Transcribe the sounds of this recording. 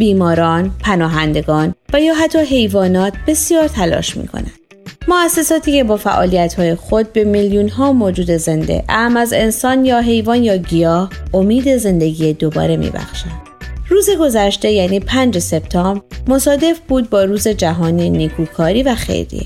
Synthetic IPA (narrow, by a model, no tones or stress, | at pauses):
biːmɒːɾɒːnpʰænɒːɦænd̪e̞ɡɒːnvæjɒːɦæt̪ʰːɒːɦe̞jvɒːnɒːt̪̚ʰb̥e̞sijɒːɾt̪ʰælɒ̰ːʃmḭːkʰo̞̰næ̰nd̪̥ | moæsːe̞sɒːt̪ʰiːce̞bɒːfæ̰ʔɒ̰ːlijæt̪hɒːje̞xo̞d̪̚be̞miljunɦɒːmoːd͡ʒuːd̪e̞ze̞nd̪e̞̰ʔæmæze̞nsɒːnjɒːɦe̞jvɒːnjɒːɟijɒːhomiːd̪e̞ze̞nd̪e̞ɡijed̪obɒ̰ːɾe̞mḭbæ̰xʃænd̪̥ruːze̞ɡo̞zæʃt̪e̞jæːniːpʰænd͡ʒe̞se̞bt̪ʰɒːmbɾmo̞sɒːd̪e̞fbuːd̪̚bɒːɾuːze̞d͡ʒæɦɒːninikʰuːkʰɒːɾiːvæxḛjɾḭḛ